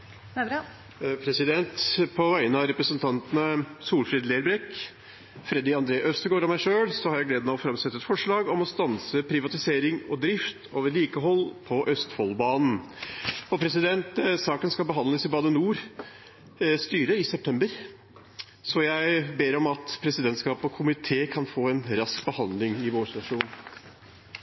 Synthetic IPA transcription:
pʰɾɛsɪd̪ɛnt̪pʰɔʋæɪənəɑɾɛpɾəsənt̪ʰɑnt̪ənəsuːlfɾeːd̪leːɾbɾɛk | fɾɛd̪ɪɑnd̪ɾeːʔœst̪əɡoːɾɔmæɪʂøːɽsɔhɑɾjæɪɡleːd̪mɛɔfɾɑmsɛt̪ːəɛt̪fɔʂɭɑːɡɔmɔst̪ɑnsəpʰɾɪʋɑt̪ɪseːɾɪŋɔd̪ɾɪft̪ʰoːʋəɾɭiːkəɦɔlːpʰɔʔœst̪fɔlːbɑːnn̩ | ɔpʰɾɛsɪd̪ɛnt̪sɑːkənskɑlbəɦɑnd̪ləsɪbɑːd̪ənuːɾ | st̪yːɾəɪsɛpt̪ʰɛmbəɾ | sɔjæɪbeːɾɔmɑt̪pʰɾɛsɪd̪ɛnt̪skɑːpɔkʰʊmɪt̪ʰeːkʰɑnfoːɛnɾɑskbəhɑnd̪lɪŋɪʋoːʂt̪ɑʂuːn

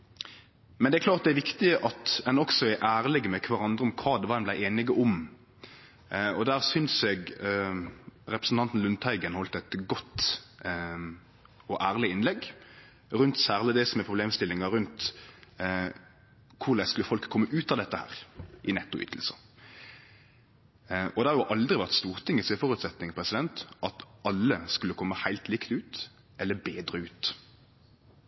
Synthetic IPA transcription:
mɛnɛækʰlɑːɾt̪̚d̪ɛæɾʋɪkt̪ɪəʔɑt̪ɛnɔksɔɛɾʔæːʁlɪɡmɛkʰʋɑɾɑnd̪ɾəɔmkʰʋɑːd̪ɛʋɑːdɛnblæɪʔeːnɪɡəʔɔm | ɔd̪æːʁsʏnsɛɡ | ɾɛpɾəsn̩t̪ʰɑnt̪n̩lʉnt̪ʰæɪɡənhɔlt̪ɛt̪ɡɔt̪ː | ɔʔæːʁlɪɪnlɛɡ | ɾʉnt̪sæːʁlɪd̪ɛsɔmɛpʰʁʊbleːmst̪ɪlːɪŋɑɾʉnt̪ | kʰʊʁlæɪskʉlːəfɔlkʰːɔmːəʔʉːt̪ɑʋd̪ɛt̪ːəhæ̰ːʁʔɪnɛt̪ːʊʔʏ̰t̪ʰːəl̩sə | ɔd̪ɛhɑɾʁjʊʔɑld̪ɾʁɪʋæʁt̪st̪uːʁt̪ʰɪŋːəsɛfɔʁʉːt̪sɛt̪nɪŋpʰʁɛsɪd̪ɛnt̪ʔɑt̪ɑlːəskʉlːəkʰɔmːəhæɪlt̪lɪkt̪ʉːt̪ | ʔɛlːəbeːd̪ɾəʉːt̪

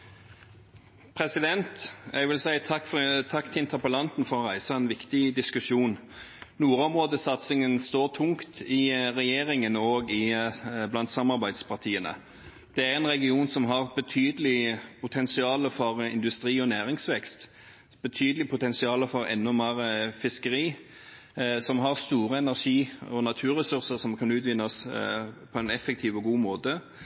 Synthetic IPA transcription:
pʰɾɛsɪd̪ɛnt̪ɛɡʋɪlsæɪt̪ʰɑkːft̪ʰɑkːt̪ʰɪɪnt̪ʰəɾpəlɑnt̪n̩fɔɾɔʁæɪsɑɛnʋɪkt̪ɪd̪ɪskʉʃuːn | nuːɾɔmʁoːd̪əsɑt̪sɪŋənst̪oːʁt̪ʰʊŋkt̪ʰɪʁɛjeːʁɪŋənoːɡɪblɑnt̪sɑmɑɾbæɪd̪spʰɑʁt̪ʰiːənə̰ | d̪̥ɛæɾɛnɾɛɡɪuːnsɔmɦɑʁbət̪ʰyːd̪əlɪpʰʊt̪ʰɛnsɪɑːləfɔɾɪ̰nd̪ʉst̪ɾiːɔnæːɾɪŋsʋɛkst̪ | b̥ət̪ʰyːd̪əlɪpʰʊt̪ʰɛnsɪɑːləfɔɾɛ̰nːɔmeːɾəfɪskəɾiː | sɔmɦɑɾst̪uːɾəɛnæʁʂiːɔnɑt̪ʰʉːɾɛsʉɾsəɾsɔmkʰɑnʉːt̪ʋɪnːspʰɔɛnɛfək̚t̪ʰiːʋɔɡuːmoːt̪ə

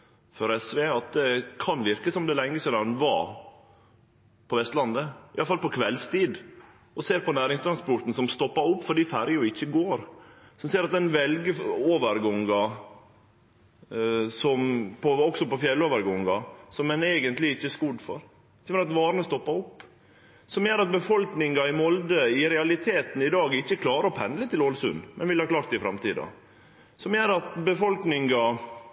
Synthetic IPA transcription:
fɔɾɛsʋeːɑt̪̚d̪ɛkʰɑnʋɪɾkəsɔmd̪ɛlɛŋːəseːnɑɾnʋɑ̰ː | pʰɔʋɛst̪lɑnd̪əɪʔɑləfɑlpɔkʰʋɛlst̪iːd̪ | ʔɔseːɾpɔnæːɾɪŋst̪ɾɑnspɔʈ̪n̩sɔmst̪ɔpːɑɾʊpːfɔɖifæɾjəjʊɪçːəɡoːɾ | sɔmsiːɾɑt̪̚d̪ɛnʋɛlɡəoːʋəɾɡɔŋɡɑ | sɔmpʰɔɔksɔpɔfjɛlːoːʋəɾɡɔŋɡɑsɔmɛneːɡənt̪lɪɪçːəskʊɖ̪fɔ̰ɾ | smɛɾɑt̪ʋɑːɾnəst̪ɔpːɑɾɔpː | sɔmjeːɾɑt̪̚bəfɔlknɪŋɑɪmɔld̪əɪɾɛɑlɪt̪ʰeːt̪n̩ɪd̪ɑːɡɪçːəkʰlɑːɾəɾɔpʰɛnd̪lət̪ɪloːlsʉ̰nmɛnʋɪlhɑːklɑːɾt̪ɪfɾɑmt̪ʰiːd̪ɑ̰ | sɔmjeːɾɑt̪bəfɔlknɪŋɡɑ

